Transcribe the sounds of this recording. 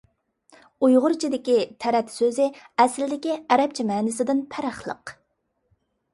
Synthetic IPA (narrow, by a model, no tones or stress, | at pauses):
ujʁʊɾt͡ʃʰid̪ɪkʲit̪ʰæɾɛt̪søzɪɛslɪd̪ɪkʲiæɾɛp̚t͡ʃʰimɛːnɪsɪd̪ɪnpʰæɾɑχlˠə̰q